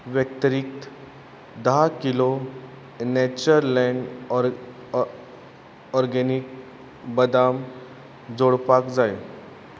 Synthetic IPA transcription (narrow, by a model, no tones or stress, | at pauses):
ʋjək̚t̪ɾiːk̚t̪ | d̪akilo | net͡ɕəɾlɛn | ɔɾɡɛnik̚ | bəd̪am | d͡zoɽpakd͡zaj